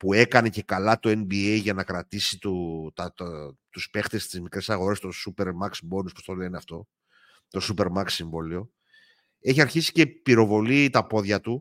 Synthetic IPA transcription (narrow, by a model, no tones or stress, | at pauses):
pue̞kɐne̞ce̞kɐlɐt̪o̞e̞nbiejʝɐnɐkɾɐt̪isit̪ot̪ɐt̪uspe̞xt̪e̞st̪izmikɾe̞sɐɣo̞ɾe̞st̪osupe̞ɾmɐksbo̞nuspost̪o̞le̞neɐft̪o̞ | t̪o̞supe̞ɾmɐkssiɱvo̞lio̞ | e̞çiɐɾçisi̥ce̞piɾo̞vo̞lit̪ɐpo̞ðʝɐt̪u